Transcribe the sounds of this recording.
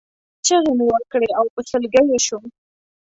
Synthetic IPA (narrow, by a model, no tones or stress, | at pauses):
t͡ʃəɣemewəɾkɽeawpəsəlɡajeʃum